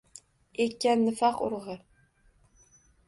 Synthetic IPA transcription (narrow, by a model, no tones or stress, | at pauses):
ekʲːanːɪfɑqʊ̰ɾʁɨ